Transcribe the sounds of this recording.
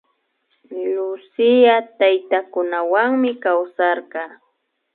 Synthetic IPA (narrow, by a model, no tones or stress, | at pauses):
lʊsɪjat̪ajt̪akʊnawaŋmɪkawsɑɾɢɑː